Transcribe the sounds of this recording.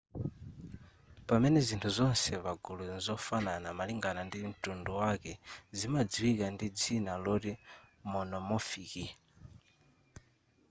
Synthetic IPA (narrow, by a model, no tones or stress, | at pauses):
pamɛnɛzintʰuzɔnsɛβaɡuluzɔfananamaliŋɡanandim̩tunduwakɛzimad͡ziwikandid͡zinalɔɾimɔnɔmɔfiki